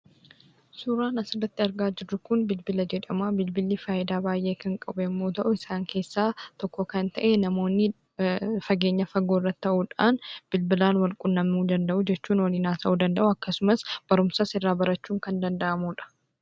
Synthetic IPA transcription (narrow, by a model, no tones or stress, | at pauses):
suːɾaːnɐsɪrːɐt̪ːɪɐɾɡaːd͡ʒɪrːʊkʊnbɪlbɪlɐd͡ʒɛᶑɐmaːbɪlbɪlːifaːjɪd̪aːbaːjʔe̞ːkɐŋkʼɐbɛɪmːo̞ːt̪ɐʔʊɪsaːŋkʰe̞ːsːaːt̪ɔkːɔkɐnt̪ɐʔenɐmo̞ːnːɪ | fɐɡe̞ːɲːɐfɐɡːoːɪrːɐt̪ːɪːɐʔuːᶑaːnb̥ɪlbɪlaːnwɐlkʼʊnːɐmuːd̪ɐnd̪ɐʔʊd͡ʒɛt͡ʃːuːnwɐliːnaːsɐʔud̪ɐnd̪ɐʔʊɐkːɐsʊmɐsb̥ɐɾʊmsɐsɪrːaːbɐɾɐt͡ʃːuːŋkɐnd̪ɐnd̪ɐʔɐmuːᶑɐ̥